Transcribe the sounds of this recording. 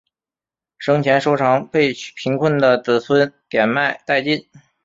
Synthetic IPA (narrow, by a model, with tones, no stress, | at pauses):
ʂɤ˥ŋt͡ɕʰjɛ˧˥nʂo˥ʊʈ͡ʂʰɑ˧˥ŋpe˥˩ɪpʰi˧˥ŋkʰwə˥˩nd̪ə˩t͡sɹ̩˨˩t͡sʰwə˥nt̪jɛ˨˩nma˥˧ɪt̪a˥˧ɪt͡ɕi˥˩n